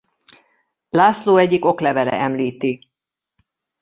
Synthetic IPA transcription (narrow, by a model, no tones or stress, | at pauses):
laːsloːɛɟːiko̞klɛvɛlɛ̰ʔɛmliːt̪i